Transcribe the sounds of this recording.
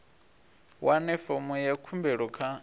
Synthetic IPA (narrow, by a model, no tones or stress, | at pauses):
wanɛfɔmujakʰumbɛɺɔkʰa